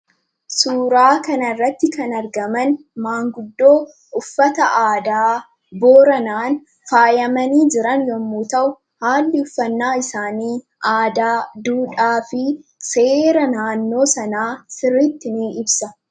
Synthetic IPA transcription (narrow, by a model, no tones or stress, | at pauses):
suːɾaːkɐnɐrːɐt̪ːɪkɐnɐɾɡɐmɐn | maːŋɡʊd̪ːo̞ː | ʊfːɐt̪ɐʔaːd̪aː | bo̞ːɾɐnaːn | faːjɐmɐniːd͡ʒɪɾɐnjɔmːuːt̪ɐʔʊ | haːlːɪʊfːɐnːaːɪsaːniː | ʔaːd̪aːd̪uːᶑaːfɪseːɾɐnaːnːo̞ːsɐnaːsɪrːɪt̪ːɪniːɪbsɐ